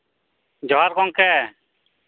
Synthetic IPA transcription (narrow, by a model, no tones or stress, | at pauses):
d͡ʒɔɦaɾkɔŋkɛ